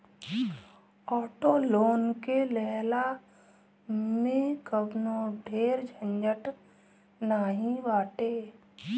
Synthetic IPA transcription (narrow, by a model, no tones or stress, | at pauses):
ɔːʈoloːnkelɛːla | mẽkəbnoɖʱeːɾd͡ʒʱə̃ɲd͡ʒəʈ | naːɦĩʋaːʈeː